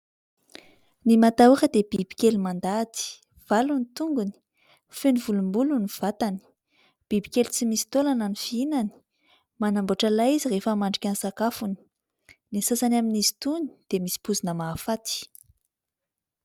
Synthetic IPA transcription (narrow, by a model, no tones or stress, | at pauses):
nimat̪aukəd̪eb̥ib̥i̥kʲelimand̪at̪i̥ | v̥alunit̪uŋɡuni̥ | fenivulumbuluniv̥at̪ani̥ | b̥ibikʲelit͡simisi̥t̪olanənifiinani̥ | manamboʈ͡ʂalaizirefəmaɳɖ͡ʐikʲanisakafuni̥ | nesasanaminizi̥t̪uni̥d̪̥emisi̥puzinəmaːfat̪i̥